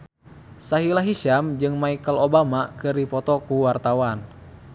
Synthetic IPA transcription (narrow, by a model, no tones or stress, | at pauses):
saɦilaɦiʃamd͡ʒɨŋmaikəlobamakɨrdipɔt̪ɔkuwart̪awan